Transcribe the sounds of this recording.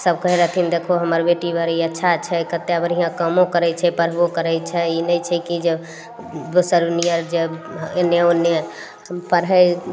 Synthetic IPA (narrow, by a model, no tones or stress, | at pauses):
səb̚kəɦiɾəɦt̪ʰind̪ekʰoɦəməɾbeʈibəɾiətːʃʰat͡ʃʰɛkət̪ːeəbəɾɦiãkəmõkəɾɛt͡ʃʰɛpəɾ̤bokəɾɛt͡ʃʰɛinəjt͡ʃʰɛkid͡ʒe | d̪osəɾunijəɾd͡ʒeneone | əpəɽɦəj